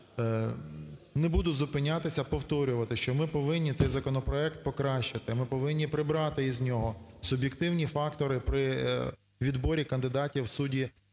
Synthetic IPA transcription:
nɛbud̪ʊzʊpɪnʲat̪ɪsʲɐpɔwt̪ɔɾʲʊʋɐt̪ɪʃt͡ʃɔmɪpɔʋɪnʲːit̪sɛjzɐkɔnɔpɾɔɛkt̪̚pɔkɾɑʃt͡ʃɪt̪ɪmɪpɔʋɪnʲːipɾɪbɾɑt̪ɪizʲnʲɔɦɔsʊbʲjekt̪ɪwnʲifɑkt̪ɔɾɪpɾɪ | ʋʲid̪bɔɾʲikɐnd̪ɪd̪ɑtʲiwsudʲi

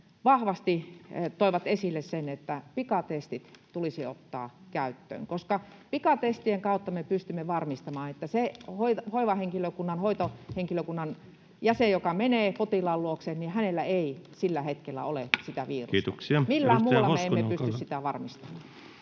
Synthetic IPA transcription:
ʋɑhʋɑst̪it̪oˑiʋɑt̪esilːessenet̪ːæpikɑt̪est̪it̪t̪ulisio̰t̪ːɑ̰ːkæyt̪ːø̰ːŋkoskɑpikɑt̪est̪ieŋkɑˑut̪ːɑmepyst̪ymːeʋɑrmist̪ɑmɑːnet̪ːæsehoihoiʋɑheŋkiløkunːɑnhoit̪oheŋkiløkunːɑn | jæsejjokɑmeneːpot̪ilɑlluoksennihænelːæeisilːæhet̪kelːæ̰olesit̪æʋiːrut̪oksiɑmilːæːmuːlːɑmeemːeppyst̪yssit̪æʋɑrmist̪ɑmɑː

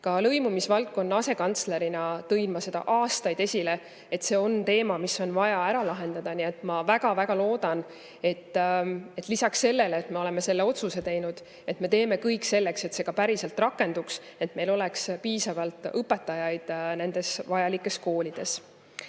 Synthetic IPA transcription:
kɑlɤ̞jmumisvɑlk̚kːˑo̞nːɑɑse̞kɑnt̪sle̞ɾinɑt̪ɤjnmɑse̞d̪ɑ̰ʔɑːst̪ɑjd̪̥e̞sʲile̞ | et̪se̞ːo̞nt̪e̞ːmɑmisːo̞nvɑjɑæɾɑlɑɦe̞nd̪ɑd̪̥ɑnie̞t̪ːˑmɑvæɡ̥ɑvæɡ̥ɑlo̞ːd̪̥ɑn | e̞t̪ːˑe̞t̪ːˑlisɑksːe̞lːe̞leːt̪me̞o̞leme̞se̞lːe̞o̞t̪suse̞t̪e̞jnud̪̥ | e̞t̪me̞t̪e̞ːme̞kɤjkːˑse̞lːe̞kse̞t̪se̞ɡ̥ɑpæɾiselt̪rɑkːˑe̞nd̪̥ukse̞t̪me̞jlo̞lekspiːsɑvɑlt̪ˑɤpːˑe̞t̪ːˑɑjɑjd̪̥ne̞nd̪̥e̞svɑjɑlikːˑe̞sko̞ːlʲid̪̥e̞s

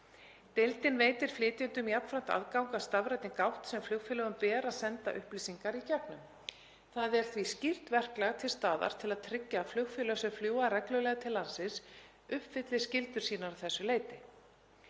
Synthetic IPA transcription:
t̪ejlt̪ɪnveːjt̪ɪɾ̥flɪːt̪ɪnt̪ʏmjapnfɾamn̥t̪a̰ðkawŋkast̪avɾajt̪ɪnkawht̪sɛmflʏɣfɪlœɣʏmpɛːðɾaðsɛnt̪a̰ʔʏhpliːsiŋkaɾicɛpnʏm | θaðɛɾ̥θviscɪr̥t̪vɛr̥klɛɣt̪ʰɪlst̪aːða̰ɾ̥t̪ʰɪlaðt̪ʰɾɪcːaflʏɣfɪlœsɛfljuːarɛklʏlɛːɣat̪ʰɪlːansɪs | ʏhpvɪt̪lɪ̥scɪlt̪ʏɾ̥siːnaɾaθɛsːʏleːjt̪ɪ

